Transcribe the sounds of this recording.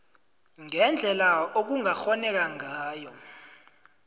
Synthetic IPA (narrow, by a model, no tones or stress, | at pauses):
ŋɛnd͡ɮʱɛlaok̬uŋaxɔnɛk̬aŋaːjɔ